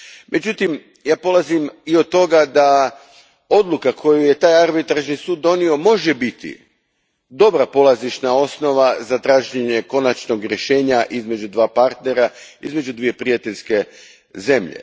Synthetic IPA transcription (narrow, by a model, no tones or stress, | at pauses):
mʔe̞d͡ʑut̪im | jaːpo̞lˠazimiot̪ːo̞ɡad̪a | o̞d̪lˠukakʰo̞juje̞t̪aːjaɾbit̪ɾaʒnisuːd̪ːo̞nio̞mo̞ʒebit̪ḭ | d̪o̞bɾapo̞lˠaziʃnao̞snoʋazat̪ɾaːʒɲeɲe̞ko̞nat͡ʃno̞ɡɾʲje̞ʃe̞ːɲaʔizme̞d͡ʑud̪ʋaːpaɾt̪ne̞ɾaizme̞d͡ʒud̪ʋije̞pɾijat̪e̞ʎʲske̞ | ze̞mʎḛ